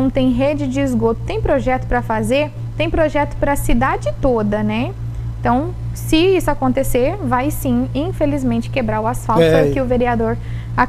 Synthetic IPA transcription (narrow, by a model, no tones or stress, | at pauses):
ɐ̃w̃t̪ẽj̃ɦed͡ʒɪd͡ʒɪːzɡot̪ʊ̥t̪ẽj̃pɾoʒɛt̪ʊ̥pɾɐfazeɾ | t̪ẽj̃pɾoʒɛt̪ʊ̥pɾɐsid̪ad͡ʒɪt̪od̪ɐnɛ̃ | t̪ɐ̃w̃ | sɪisʊakõnt̪eseɾvajsĩĩfelizmẽnt͡ʃɪ̥kebɾaɾʊasfawt̪ɛkɪʊveɾiad̪oɾ | a